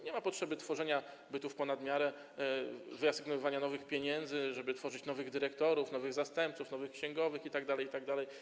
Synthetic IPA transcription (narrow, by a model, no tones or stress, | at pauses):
ɲɛmapɔtʂɛbɘt̪fɔʐɛɲa | bɘt̪ufpɔnad̪mʲjaɾɛ | vɘasɘɡnɔvɨvaɲanɔvɘxpʲjeɲɛnd̪zɘʐɛbɘt̪fɔʐɘt͡ɕnɔvɘɣd̪ɘɾɛkt̪ɔɾufnɔvɘɣzast̪ɛmpt̪sufnɔvɘxkɕɛ̃ŋɡɔvɘxit̪aɡd̪alɛjit̪aɡ̚d̪alɛj